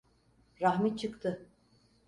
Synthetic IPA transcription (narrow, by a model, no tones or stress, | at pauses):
ɾaɦmɛt͡ʃʰɯkt̪ʰɯ